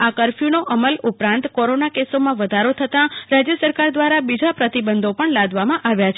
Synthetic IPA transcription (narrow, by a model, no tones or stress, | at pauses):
akəɾfunoʔəməlupɾãnt̪koɾonakesomãʋəd̪ʱaɾot̪ʰət̪ãɾad͡ʒjəsəɾkaɾd̪ʋaɾabid͡ʒapɾət̪ibənd̪ʱopəɳlad̪ʋamãʔaʋjat͡ʃʰ